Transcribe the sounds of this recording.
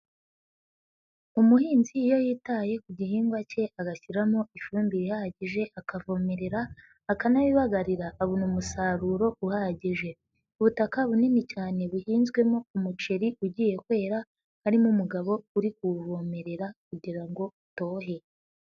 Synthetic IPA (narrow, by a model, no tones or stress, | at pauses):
umuhiːnziːjo̞jiːtaje̞kuɟiɦiːŋɡwace̞aɡaçiɾamoʔifuːmbiβihaɟiʒe̞ʔakavo̞me̞ɾe̞ɾaː | kanawiβaɡaɾiɾaʔːβunumusaːɾuɾo̞uhaɟiʒe̞ | uβutakaβuninicaːne̞βuhiːnzɡwe̞moumut͡ʃeɾiʔuɟiːje̞kwe̞ːɾa | haɾimumuɡaβo̞uɾikuvo̞me̞ɾe̞ɾakuɟiɾaŋɡo̞uto̞ːɦe̞